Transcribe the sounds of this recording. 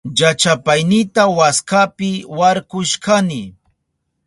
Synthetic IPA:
jat͡ʃapajnɪt̪awaskapɪwaɾkʊʃkanɪ

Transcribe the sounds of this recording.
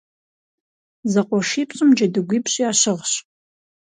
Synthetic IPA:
zɐqʷʼɔʂiːpɕʼɪmd͡ʒɐdɨɡʷiːpʰɕʼiaːɕɪʁɕ

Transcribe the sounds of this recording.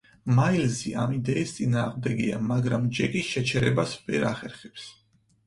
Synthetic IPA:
mailziʔamid̪ɛist̪sʼinaːʁmd̪ɛɡiamaɡɾamd͡ʒɛkʼiʃɛt͡ʃʰɛɾɛbasvɛ̰ɾaχɛɾχɛps

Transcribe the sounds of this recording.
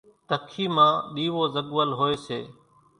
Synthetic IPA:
t̪əkʰiːmãːɗiːʋoːzəɠʋəlɦoːeːseː

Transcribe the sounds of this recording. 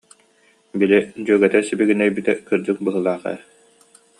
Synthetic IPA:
bilid͡ʑyːɡɛt̪ɛsibiɡinœjbit̪ɛkɯɾd͡ʑɯk̚bɯɦɯlˠaːχɛ̰

